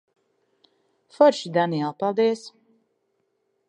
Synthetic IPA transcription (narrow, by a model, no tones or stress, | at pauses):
fɔɾʃid̪aniɛlˠpalˠd̪iɛs